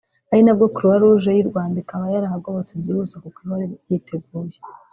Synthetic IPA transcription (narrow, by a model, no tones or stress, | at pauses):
ahinabɡokuɾuβaɾuuʒajiɾɡwaːndaikaβajaɾahaɡoβot͡sebɟiuzakokwiβoɾejitʰeɡuːje